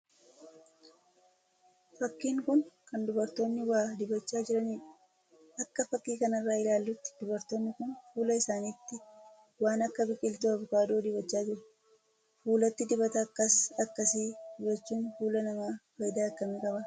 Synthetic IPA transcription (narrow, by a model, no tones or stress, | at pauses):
fɐkːiːŋkʊnkɐnd̪ʊbɐɾt̪o̞ːnːɪwaːd̪ɪbɐt͡ʃːaːd͡ʒɪɾɐniːᶑɐ̥ | ɐkːɐfɐkːiːkɐnɐrːaːɪlaːlːʊt̪ːɪ̥d̪̥ʊbɐɾt̪o̞ːnːɪkʊnfuːlɐɪsaːniːt̪ːɪ | waːnɐkːɐbɪkʼːɪlt̪uɐbʊkaːd̪oːd̪ɪβɐt͡ʃːaːd͡ʒɪɾɐ | fuːlɐt̪ːɪd̪ɪbɐt̪ɐːkːɐsɐkːɐsiːd̪ɪbɐt͡ʃːuːnfuːlɐnɐmaːwɐjd̪aːkːɐmɛːkʼɐbɐ